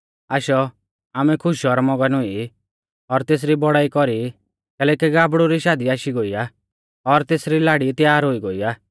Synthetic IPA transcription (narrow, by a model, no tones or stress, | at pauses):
aːʃɔ | aːmɛkʰʊʃɔɾmɔɡənʊi | ɔɾt̪eːs̬ɾibɔɽaːikɔɾi | kɛːlɛːkiɡaːbɽoɾiʃaːd̪iaːʃiɡoiːaː | ɔɾt̪eːsɾilaːɽit̪jaːɾɦoiɡoiːaː